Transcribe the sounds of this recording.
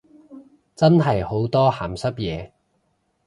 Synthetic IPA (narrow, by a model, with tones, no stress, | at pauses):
t͡sɐ˥nɦɐ˨jho˨˥wt̪ɔː˥haː˨˩msɐ˥p̚jɛː˨˧